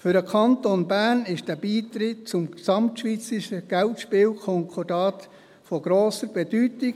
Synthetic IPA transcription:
fʏɾəkʰɑntonbæːrnɪʃd̥æːb̥iːt̪ɾɪt̚t͡sʊmsɑmtʃʋiːt͡sɪʃəɡ̥æltʃpɪːwkʰɔŋkʰɔdɑːt | fɔɡ̥ɾoːsəɾb̥ɛd̥ytiɡ

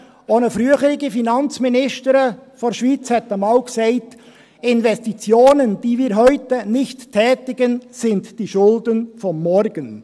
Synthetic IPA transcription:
ʔoːnəfɾyəχəɾɪɡəfinɑnt͡sminɪʃtəɾəfoɾʃʋiːt͡shɛtəmɑːlksɛɪt | ɪnvɛstit͡sjoːnənd̥iːviːɾɦœʏtənɪçtʰːɛːtɪɡənsɪntd̥iːʃʊldənfɔmːɔɾɡ̥ən

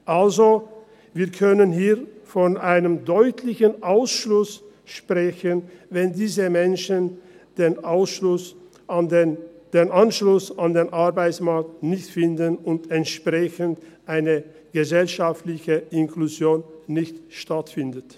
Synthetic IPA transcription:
ʔalzo | viːɐkʰœnənɦiːɐfɔnʔaɪnəmdɔʏtʰlɪçənʔaʊsʃlʊs | ʃpʁ̥ɛçənvɛndiːzəmɛnʃənd̥eːnʔaʊsʃlʊs | nd̥eːnʔanʃlʊsandeːnʔaɐbaɪt͡smaɐk̚tnɪçtfɪndənʊntɛntʃpʁ̥ɛçəntʔaɪnə | ɡ̥əzɛlʃaftlɪçəɪnkluzjoːnːɪçtʃtatfɪndət

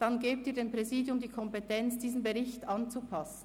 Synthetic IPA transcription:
d̥ɑnɡeːp̚tiːɐdeːnpʁ̥ɛziːdjʊmdiːkʰɔmpɛtʰɛnt͡sd̥iːzn̩beʁɪçtɑnt͡supʰɑsn̩

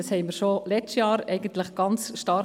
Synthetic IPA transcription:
ɑshɛɪməɾʃolɛt͡stjɑːɾɛɪɡ̥ən̩tləχɡ̥ɑnt͡sʃtɑr

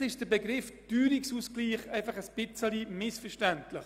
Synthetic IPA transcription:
ɪʃd̥əbɛɡɾɪfd̥yːɾiksuskliːχɛɪfɑχəsb̥ɪt͡səlimɪsfəɾʃtæntlɪχ

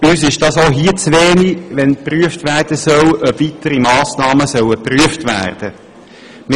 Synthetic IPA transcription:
yːsɪʃd̥ɑːsoːɦiət͡sʋeːniʋɛnpryəftʋæːrd̥əsœwʔœpvitəɾimɑːsnɑːməsœwəpryəftʋæ̰ːrd̥ə | mɪ

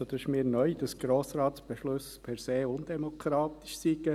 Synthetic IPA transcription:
od̥̪œsmiːɾnœʏd̪ɑsɡ̥ɾoːsɾaːtsb̥eʃlʊspʰɛɾseːʊnd̥̪emokʰɾɑːt̪i̥ʃsiɡə

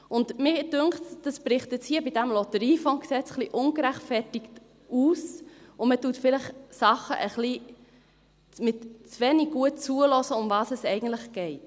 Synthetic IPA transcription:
ʔʊndmɪd̥ʏŋχtd̥ɑspɾɪχtɛt͡shiəbidæmlɔtəɾiːfɔŋksɛt͡sχliʔʊŋɡəɾæχtfɛrtɪkt | uːsʊmətutfɪləχsɑχə̰ʔəχli | mɪtt͡svɛniɡɡ̥uət̚t͡suəlɔsəʊmvɑːsɛsɛɪɡən̩tləχɡ̥ɛɪt

